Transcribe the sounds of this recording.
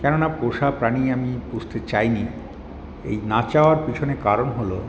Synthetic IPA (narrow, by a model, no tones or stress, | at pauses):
kɛnonapoʃapɾaniamipud͡ʑt̪ʰet͡ɕajni | ḛjnat͡ɕaoaɾpit͡ɕʰonekaɾonɦolo